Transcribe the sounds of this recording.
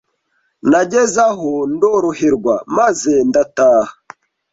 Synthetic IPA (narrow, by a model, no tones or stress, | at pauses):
naɟezaɦondoɾoheɾɡwamazendataːha